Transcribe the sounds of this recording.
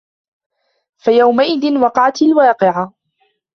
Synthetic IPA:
fajawmaʔɪðɪnwɑqɑʕat̪alwɑːqɪʕa

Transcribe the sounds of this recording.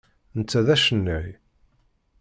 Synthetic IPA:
nət͡sːæðæʃənːəj

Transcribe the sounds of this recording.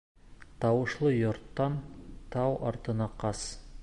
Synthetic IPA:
t̪ʰɑwəʃlˠəjoɾt̪ːɑnt̪ʰɑwɑ̰ɾt̪ənɑqʰɑs

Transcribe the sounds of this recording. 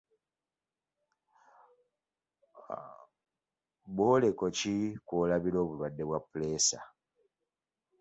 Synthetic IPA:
boːle̞ko̞cikwolaβilo̞ːβulwadːe̞βwapːule̞sa

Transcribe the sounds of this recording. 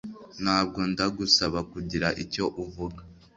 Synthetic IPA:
nhaːb̚ɡo̞ndaɡusaβakuɟiɾaʔico̞ʔuvuɡa

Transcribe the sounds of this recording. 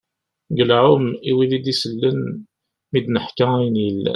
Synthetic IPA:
ɡəlʕʊmiwiðid̪isəlːən | mid̪nəħkːæinil̰

